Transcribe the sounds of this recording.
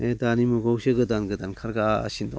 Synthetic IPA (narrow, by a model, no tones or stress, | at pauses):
edanimuɡowseɡɯdanɡɯdankʰaɾɡasindɔ̰